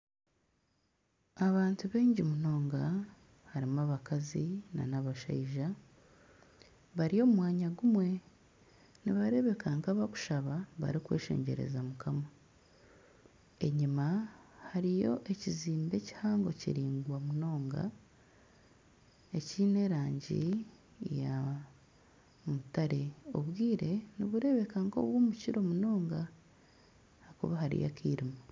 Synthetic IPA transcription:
aβaːntuβeːɲɟimuno̞ːŋɡa | haɾimaβakazina̰naβaʃa̰iʒa | βaɾijo̞mumwaːɲaɡumwe̞ | niβaɾe̞βe̞kaŋkaβaku̥ʃaβaβa̰ɾikwe̞̰ːʃḛːɲɟe̞̰ɾe̞̰zamukʰama | e̞ɲimahaɾijo̞ʔe̞ciziːmbe̞ci̥haːŋɡo̞cḭɾiːŋɡwamuno̞ːŋɡa̰ | e̞ciːne̞ɾaːɲɟḭ | ja | mutaɾe̞o̞βwiːɾe̞niβuɾe̞βe̞kaŋko̞̰βwoːmuciɾo̞munoːŋɡa | hakuβahaɾḭja̰kʰiːɾimo

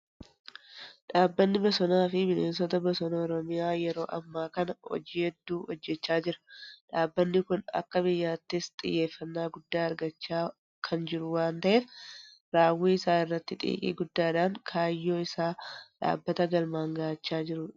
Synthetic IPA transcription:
ᶑaːbːɐnːɪbɐsɔnaːfɪmɪleːnsɔt̪ɐbɐsɔnɐɔɾɔmɪjaːjɛɾo̞ːʔɐ̰mːaːkɐnɐhɔ̰d͡ʒiːhɛd̪ːuːhɔd͡ʒːɛt͡ʃːaːd͡ʒɪɾɐ̥ᶑaːbːɐnːɪkʊnɐ̰kːɐbɪjːaːt̪ːɪst̪ʼɪ̰jːe̞ːfːɐnːaːɡʊd̪ːaːɐɾɡɐt͡ʃːaː | kʰɐnd͡ʒɪɾʊwaːnt̪ɐʔeːf | ɾaːwːiːɪsaːnɪrːɐt̪ːɪt̪ʼḭːkʼḭːɡʊd̪ːaːᶑaːŋkʰaːjːo̞ːɪsaːᶑa̰ːbːɐt̪ɐɡɐlmaːŋɡɐʔɐt͡ʃːaːd͡ʒɪɾʊ

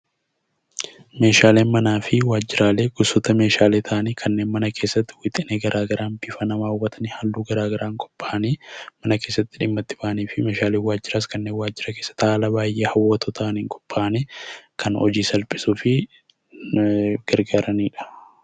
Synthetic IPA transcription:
me̞ːʃaːle̞ːnmɐnaːfɪwaːd͡ʒːɪɾaːle̞ːɡʊsɔt̪ɐme̞ːʃaːleːt̪ʰɐʔɐniːkʰɐnːeːnmɐnɐkʰe̞ːsːɐt̪ːɪ̥wɪt̪ʼɪneːɡɐɾʔaːɡɐɾʔaːnbɪfɐnɐmaːʊwɐt̪ʰɐnɪhɐlːuːɡɐɾaːɡɐɾaːŋkʼɔ̥pʼːaːʔɐniːmɐnɐke̞ːsːɐt̪ːɪᶑɪmːɐt̪ːɪ̥bɐʔɐniːfɪme̞ːʃaːleːwaːd͡ʒːɪɾaːskɐnːeːnwaːd͡ʒːɪɾɐke̞ːsːɐ̥t̪aːlɐbaːjʔeːhɐwːɐt̪oːt̪ʰɐʔɐniːŋkʼɔ̥pʼːaːʔnikʰɐnɔ̰d͡ʒiːsɐlpʼɪ̥sufɪ | ɡ̥ɐɾɡaːɾɐniːᶑɐ̥

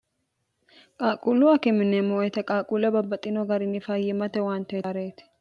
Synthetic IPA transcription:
kʼaːkʼulʊɐkɛmɪnːemoɛt̪ɐkʼaːkʼulɐbɐbːɐt̪ʼːɪnoɡɐɾɪnːɪfajɛmɐt̪ɛwaːnt̪ɐjaɾet̪

